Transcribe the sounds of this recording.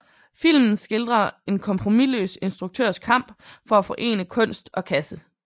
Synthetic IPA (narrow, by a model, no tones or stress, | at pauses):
fil̰mn̩sɡ̥e̝ld̥ʁɐe̝nkʰɒ̽mpʰʁo̝milø̰ːse̝nsd̥ʁuɡ̥̚t͡sʰø̰ɐ̰skʰɑ̈m̰b̥fɒ̽æfɒ̽ʔe̝̰ːnəkʰɔ̽n̰sd̥ɒ̽kʰæsə